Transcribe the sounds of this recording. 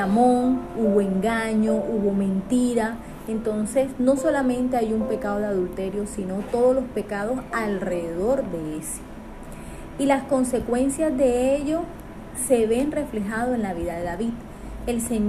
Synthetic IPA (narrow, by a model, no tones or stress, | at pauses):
amõŋuβoe̞ŋɡaɲo̞ʔuβo̞mẽ̞nt̪iɾa | ent̪o̞nse̞sno̞so̞lamẽ̞nt̪e̞ajumpe̞kaðo̞ðeaðult̪e̞ɾjo̞sino̞t̪o̞ð̞olo̞spe̞kaðo̞salre̞ðeðo̞ɾd̪e̞ese̥ | ilasko̞nse̞kwe̞nsjazðe̞eʝo̞ | se̞βe̞nre̞fle̞ɦaðoenlaβiðaðe̞ðaβið | e̞lseɲ